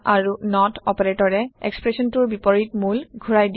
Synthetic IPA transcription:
aɹunɔtɔpɔɹetɔɹɛɛ̰kspɹesɔntuɹbipɔɹitmulɡʱuɹajd

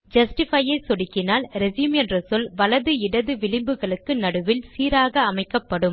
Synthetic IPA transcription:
d͡ʒɐsʈɪfɐjɐɪsɔɽɪkːɪnaːlɾɛziːmɛndrɐsɔlʋɐlɐðɯɪɽɐðɯʋɪɭɪmbɯɣɐɭɯkːɯnɐɽɯʋɪlsiːɾaːɣɐːmɐɪkːɐpːɐɽɯm

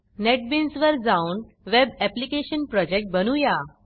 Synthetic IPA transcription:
neʈ̚binsʋəɾd͡zaun | ʋebɛplikeɕənpɾɔd͡ʑek̚ʈ̚bənuja

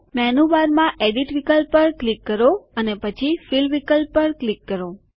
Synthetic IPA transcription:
mɛnuʋaɾmãʔeɖiʈʋikəlpəɾklikːəɾoənepət͡ʃʰifilʋikəlpəɾklikːəɾo

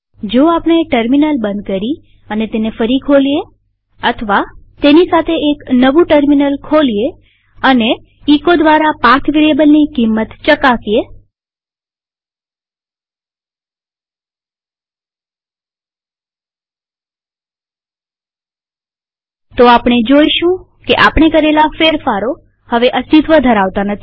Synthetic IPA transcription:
d͡ʒoapɳ̃eʈəɾminəlbənd̪̚kəɾi | ənet̪enefəɾikʰolie | ət̪ʰəʋat̪enisat̪ʰeʔeknəʋũʈəɾminəlkʰolie | əne | ikod̪ʋaɾapaɾt̪ʰʋiɽebəlnikimːət̪t͡ʃəkasije | t̪oapɽ̃ed͡ʒoiʃũ | keʔapɳ̃ekəɾelafeɾfaɾo | həʋeʔəst̪it̪ʋəd̪ʱəɾaʋt̪anət̪ʰi̥

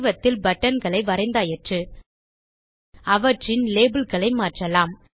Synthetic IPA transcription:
ʋɐt̪ːɪlbɐʈːɐnɡɐɭɐɪʋɐɾɐɪnd̪aːjɛʈrɯ | ɐʋɐʈrɪnleːbɪlɣɐɭɐɪmaːʈrɐlaːm

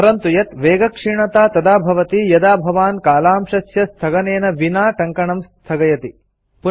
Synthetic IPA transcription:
ɐɾɐnt̪ujɐt̪ʋeːɡɐkʂiɳɐt̪aːt̪ɐd̪aːbʱɐʋɐt̪ijɐd̪aːbʱɐʋaːnkaːlaːmʃɐsjɐst̪ʰɐɡɐneːnɐʋinaːʈɐŋkɐɳɐmst̪ʰɐɡɐjɐt̪i | pu

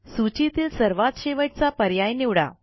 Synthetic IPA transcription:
sut͡ɕit̪iːlsəɾʋat̪ɕeʋəʈ̚t͡sapəɾjajniʋɽa̰

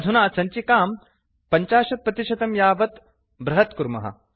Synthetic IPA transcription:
d̪ʱunaːsɐnt͡ʃikaːm | pɐɲt͡ʃaːʃɐt̪̚pɾɐt̪iʃɐt̪ɐmjaːʋɐt̪ | bɾɐɦɐt̪kuɾmɐ̰ɦɐ̰

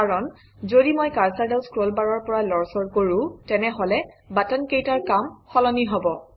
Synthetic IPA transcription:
kaɹɔn | zodimojkaɹsaɹdawskɹolbaɹɔɹpɔɹalɔɹsɔɹkoɹʊ̃tɛnɛɦɔlɛ | batɔnkejtaɹkamxɔlɔniɦɔbɔ

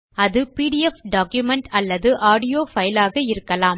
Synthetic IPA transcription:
ɐðɯpiːɽɪɛfɖaːkjʊmɛɳʈɐlːɐðɯʔaːɽɪjoːfɐjɪlaːɣɐɪɾɯkːɐlaːm

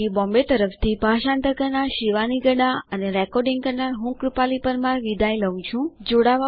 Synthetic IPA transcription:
ibɔ̃mbet̪əɾəft̪ʰibʱaʃãnt̪əɾkəɾnaɾʃiʋaniɡəɽaəneɾɛkɔɾɖɪ̃ŋɡkəɾnaɾɦũkɾupalipəɾmãɾʋid̪ajləʋũt͡ʃʰũd͡ʒoɽaʋa

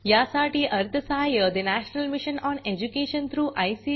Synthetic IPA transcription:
jasaʈiːʔɐɾt̪ʰəsəɦajəd̪enæɕnəlmiɕənɔːned͡ʑukeɕənt̪ʰɾuːʔajsiː

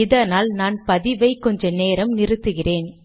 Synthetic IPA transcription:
ɪðɐnaːlnaːnpɐðɪʋɐɪkɔɲd͡ʒɐneːɾɐmnɪɾɯt̪ːɯɣɪreːn

